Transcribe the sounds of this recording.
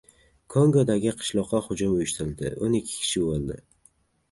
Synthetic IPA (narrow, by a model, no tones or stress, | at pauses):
kʰoŋɡod̪aɡʲɪqʰɨ̥ʃlˠɒqːɑhʊd͡ʒʊmʊjʊʃt̪ɪɾɪlʲd̪ɪ̰ʔo̰nɪkʲʰːɪ̥kʲʰɪ̥ʃɪbolˠd̪ɪ